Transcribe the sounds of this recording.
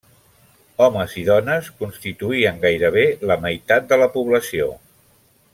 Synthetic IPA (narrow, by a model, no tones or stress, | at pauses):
ɔməziðɔnəskunst̪it̪uiəŋɡajɾəβ̞eləməjt̪at̪̚d̪ələpuβləsio̰